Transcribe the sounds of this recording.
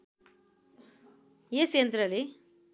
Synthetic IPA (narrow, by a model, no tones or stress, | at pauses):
jesent̪ɾɐli